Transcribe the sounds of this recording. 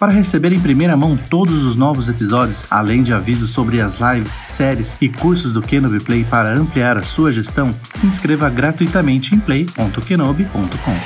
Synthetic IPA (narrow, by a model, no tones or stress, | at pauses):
paɾɐɦesebeɾẽj̃pɾimejɾɐmɐ̃w̃t̪od̪ʊzʊznɔvʊzepizɔd͡ʒʊsa̰lẽj̃d͡ʒɪavizʊsːobɾɪɐzlajvɪsːɛɾɪsɪkuɾsʊzd̪ʊkenobɪplejpaɾɐɐ̃mpliaɾɐsuɐʒest̪ɐ̃w̃ | sɪĩskɾevɐɡɾat̪ujt̪amẽnt͡ʃɪẽj̃plejpõnt̪ʊkenobɪpõnt̪ʊ̥kõw̃